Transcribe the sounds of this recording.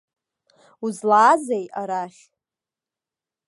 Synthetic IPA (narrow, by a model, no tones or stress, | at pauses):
uzlaːzejaɾaχʲ